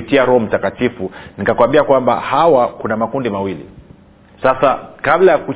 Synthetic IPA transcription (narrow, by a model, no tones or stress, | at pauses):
itiaɾɔhɔm̩takatifunikakuwambiakwamba̰hawakunamakundimawilḭ | sasakablajaku